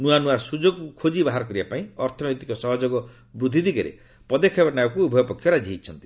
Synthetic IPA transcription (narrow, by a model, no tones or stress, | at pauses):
nuanuasud͡ʒoɡkukʰod͡ʒibaɦaɾɔkɔɾibapaĩɔɾt̪ʰɔnɔjt̪ikɔsɔɦɔd͡ʒoɡɔ | bɾud̪ʱːid̪ikeɾḛ | pɔd̪ekʰebɔnajɔkuːbʱɔjɔpɔkʰːjɔɾad͡ʒʱiit͡ʃʰɔnt̪i̥